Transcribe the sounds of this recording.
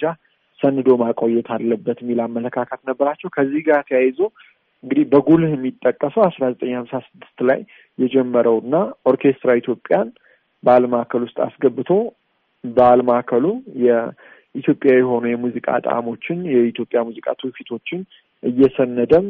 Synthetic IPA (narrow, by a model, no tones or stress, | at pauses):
d͡ʒa | sənːɨd̪o̞makʼo̞jːɛt̪ʰalːəbːət̪mːilamːələkʰːakʰət̪nəbːəɾat͡ʃːɛwkʰəzːihɡat̪ʰjajzo | ɨŋɡɨd̪ihbəɡuljɛmːit̪ʼːəkʼːəsəwasɾazət̪ʼəɲːhamsasɨd̪ːɨst̪la̰jː | ɛd͡ʒɛmːəɾəwɨnːaʔo̞ɾkʰe̞st̪ɾait̪ʰjo̞pʼjan | bəaləmaakʰəlwʊst̪ʼa̰sɡəbːɨt̪ʰo̞ | bəaləmaakʰəlujɛ | it̪ʰjo̞pʼjawjɛɦo̞nujɛmuzikʼa̰t̪ʼa̰mo̞t͡ʃːɪnjɛit̪jo̞pʼjamuzikʼa̰t̪ʰufit̪ʰo̞t͡ʃːɪn | ʔɨjːɛsənːəd̪əm